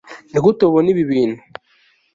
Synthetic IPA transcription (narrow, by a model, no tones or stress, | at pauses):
nikutoβoniβiβiːnu̥